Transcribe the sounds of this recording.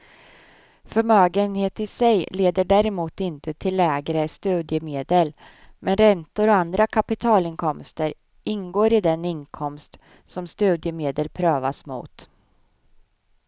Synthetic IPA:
fœɾmøːɡənheːt̪ɪsɛjleːd̪əɖæɾɛmuːt̪ɪnt̪ʰət̪ʰɪlːɛːɡɾəst̪ʉ̟ːd̪jəmeːd̪əl | mɛnɾɛnt̪ʊɾɔand̪ɾakʰapɪt̪ʰɑːlɪnkʰɔmst̪əɾ | ʔɪnɡoːɾɪd̪ɛnɪnkʰɔmst̪ | sɔmst̪ʉ̟ːd̪jəmeːd̪əlpʰɾøːva̰smṵːt̪

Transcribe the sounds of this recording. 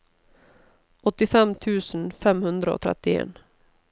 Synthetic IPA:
ɔt̪ːɪfɛmt̪ʰʉ̟ːsənfɛmhɵnd̪ɾao̰t̪ʰɾɛ̰t̪ːɪḛːn

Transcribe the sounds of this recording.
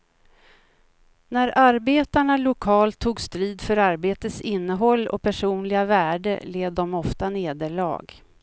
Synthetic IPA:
næɾʔaɾbeːt̪aɳalʊkʰɑːlt̪ʰːuːɡst̪ɾiːd̪fœɾaɾbeːt̪əsɪnːəɦɔlːɔ̰pʰæʂuːnlɪɡavæːɖə̰leːvd̪ɔmɔft̪aneːd̪əɭɑ̰ːɡ

